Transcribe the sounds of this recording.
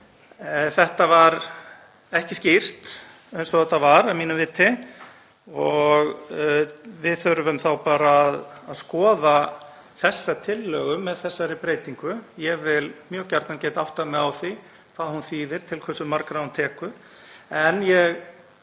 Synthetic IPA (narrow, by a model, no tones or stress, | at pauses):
θɛht̪avaɾ | ɛhcɪscir̥t̪ | ejnsɔɛt̪avaɾamiːnʏmvɪːt̪ːɪ | ɔɣ | vɪðθœɾvʏmθawpaːɾaːðaðskɔːða | θɛsːat̪ʰɪlːœːɣʏmːɛðθɛsːaɾɪpɾeːjt̪iŋkʏjɛɣvɪlmjœːɣcaɾt̪nancɛːt̪aawht̪amɛðawθi | kʰvaðhunθiːðɪɾ̥t̪ʰɪlkʰvɛsːʏmːaɾkɾahunt̪ʰɛːkʏ | ɛnjɛɣ